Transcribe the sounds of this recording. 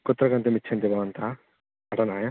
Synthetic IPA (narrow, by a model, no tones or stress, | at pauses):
kot̪ːɾɐkɐnt̪emitːt͡ʃʰɐnt̪ebʱɐʋɐnt̪ʰa | ɐʈɐnaːjɐ